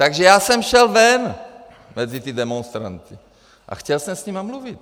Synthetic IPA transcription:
t̪aɡʒɛjaːsɛmʃɛlvɛn | mɛzit̪ɪdɛmonst̪ɾa̰nt̪ɪ | ʔa̰xcɛlsɛmsɲimamluvɪt̪̚

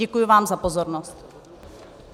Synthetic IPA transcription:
ɛkujʊvaːmzapozoɾnost̪

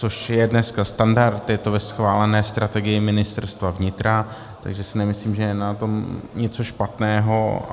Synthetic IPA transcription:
t͡so̞ʃjɛdnɛskast̪andaɾt̪jɛt̪o̞vɛsxvaːlɛnɛːst̪ɾʔat̪ɛɡɪjɪmɪnɪst̪ɛɾst̪vavɲɪt̪ɾa | t̪a̰ɡʒɛsɪnɛmɪsliːmʒɛjɛnat̪o̞mɲɛt͡so̞ʃpat̪nɛːɦo

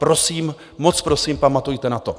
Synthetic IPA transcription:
pɾo̞siːm | mot͡spɾo̞siːmpamat̪ujt̪ɛnat̪o̞

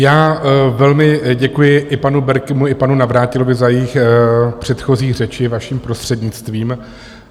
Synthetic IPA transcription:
jaːvɛlmɪɟɛkujɪʔɪpanubɛɾkɪmuɪpanunavɾaːcɪlbɪzajɛjixpr̝̥ɛt̪xo̞ziːxr̝ɛt͡ʃɪvaʃiːmpɾo̞st̪r̝̥ɛdɲɪt͡st̪viːm

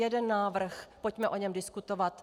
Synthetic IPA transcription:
jɛdɛnːaːvr̩xpo̞cmɛʔo̞ɲɛmdɪskut̪ovat̪

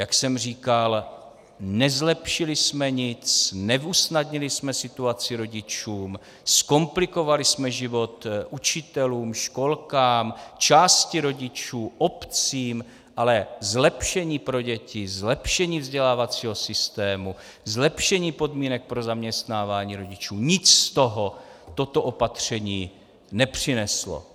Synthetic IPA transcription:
jaksɛmr̝iːkal | nɛzlɛpʃɪlɪsmɛɲɪt͡snɛvusnad̪ɲɪlɪsmɛsɪt̪uat͡sɪɾo̞ɟɪt͡ʃuːm | sko̞mplɪko̞valɪsmɛʒɪvo̞t̪ʔut͡ʃɪt̪ɛluːmʃko̞lkaːmt͡ʃaːscɪɾo̞ɟɪt͡ʃuːʔo̞pt͡siːm | ʔalɛzlɛpʃɛɲiːpɾo̞ɟɛcɪzlɛpʃɛɲiːvzɟɛlaːvat͡siːɦo̞sɪst̪ɛːmu | zlɛpʃɛɲiːpo̞dmiːnɛk̚pɾo̞zamɲɛst̪naːvaːɲiːɾo̞ɟɪt͡ʃuːɲɪt͡sst̪oɦot̪o̞t̪oʔo̞pat̪r̝̥ɛɲiː | nɛpr̥ɪnɛslo̰

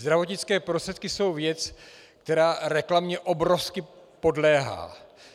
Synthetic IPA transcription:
zd̪ɾavo̞t̪ɲɪt͡skɛːpɾost̪r̥ɛt̪̚kɪso̞wvjɛt͡s | kt̪ɛɾaːɾɛklamɲɛʔo̞bɾofskɪ | po̞dlɛːɦa̰ː

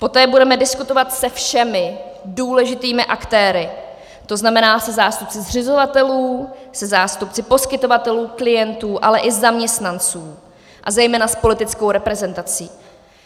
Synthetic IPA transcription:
po̞t̪ɛːbudɛmɛdɪskut̪o̞vat̪sɛfʃɛmɪduːlɛʒɪt̪iːmɪʔakt̪ɛːɾɪ | t̪o̞znamɛnaːsɛzaːst̪up̚t͡sɪzr̝ɪzo̞vat̪ɛluː | sɛzaːst̪up̚t͡sɪpo̞skɪt̪o̞vat̪ɛluːklɪjɛnt̪uːʔalɛʔɪzamɲɛst̪nant͡suː | ʔazɛjmɛːnaspo̞lɪt̪ɪt͡sko̞wɾɛpɾɛzɛnt̪at͡siː

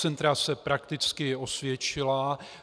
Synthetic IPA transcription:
ɛnt̪ɾasɛpɾakt̪ɪt͡skɪo̞svjɛt͡ʃɪla

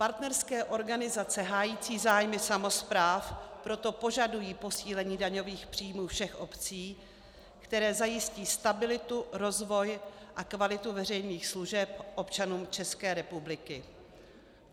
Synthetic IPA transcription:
paɾt̪nɛɾskɛːʔo̞ɾɡanɪzat͡sɛɦaːjiːt͡siːzaːjmɪsamo̞spɾaːfpɾo̞t̪o̞po̞ʒadujiːpo̞siːlɛɲiːdaɲo̞viːxpr̥iːmuːfʃɛxʔo̞pt͡siː | kt̪ɛɾɛːzajɪsciːst̪abɪlɪt̪uɾo̞zvo̞j | ʔakvalɪt̪uvɛrɛjniːxsluʒɛp̚ʔo̞pt͡ʃanuːmt͡ʃɛskɛːɾɛpublɪkɪ

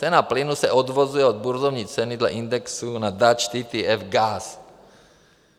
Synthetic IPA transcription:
t͡sɛnaplɪnusɛʔod̪vozujɛod̪̚buɾzovɲiːt͡sɛnɪd̪lɛ̰ʔind̪ɛksunad̪at͡ʃt̪iːt̪iɛfɡas

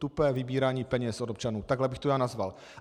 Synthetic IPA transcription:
t̪upɛːvɪbiːɾaːɲiːpɛɲɛsʔod̪opt͡ʃanuːt̪aɡlɛbɪxt̪ojaːnazval

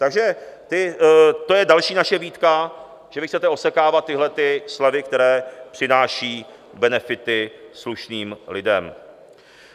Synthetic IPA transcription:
t̪aɡʒɛt̪ɪt̪o̞jɛdalʃiːnaʃɛviːt̪ka | ʒ̥ɛvɪxtt͡sɛt̪ɛo̞sɛkaːvat̪ːɪɦlɛt̪ɪslɛvɪkt̪ɛɾɛːpr̥ɪnaːʃiː | bɛnɛfɪt̪ɪsluʃniːmlɪdɛm

